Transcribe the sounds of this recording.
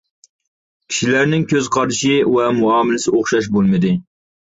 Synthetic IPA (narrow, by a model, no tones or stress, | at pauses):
kʲʰi̥ʃilæɾnɪŋkʲʰøzqʰɑɾɪʃiwɛmuɑːmɪlɪsɪoχʃɑʃ̬bolˠmɪd̪ɪ